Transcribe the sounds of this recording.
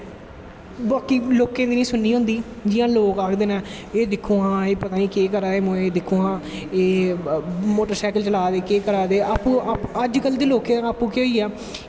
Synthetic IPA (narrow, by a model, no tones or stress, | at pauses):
baːkiːloːkẽːd̪iːnĩːsʊnːiːɦʊ̃nd̪iː | d͡ʒɪjãːloːkaːkʰd̪eːnãː | eːd̪ɪkʰːoːãːeːpət̪aːniːkeːkəɾaːeːmõeːd̪ɪkʰːõːãːeː | moːʈəɾsɛːkəlt͡ʃəlaːd̪eːkeːkəɾaːd̪eːaːpːũːapəd͡ʒkəld̪eːloːkẽãaːpũːkeoːiːɛː